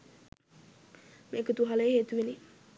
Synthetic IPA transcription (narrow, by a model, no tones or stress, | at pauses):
meːkət̪uɦaləjeɦeːt̪uʋeli